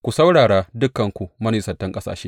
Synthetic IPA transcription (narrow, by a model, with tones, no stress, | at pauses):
kʷu˨sɐ˦wɽaː˨ɽaː˦dʊ˦kːɐ˨ŋkʷu˨mɐ˦ni˨sɐ˨tːɐ˦ŋkʼɐ˦sa̰ː˨ʃeː˦